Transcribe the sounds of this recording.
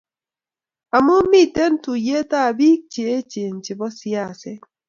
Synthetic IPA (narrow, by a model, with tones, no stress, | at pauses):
a˨mu˦mi˦˨te˦n̩˦tu˨je˦ta˦˨bi˦t͡ʃe˨e˦t͡ʃe˨n̩˨t͡ʃi˨bɔ˦sja˦˨sɪ˦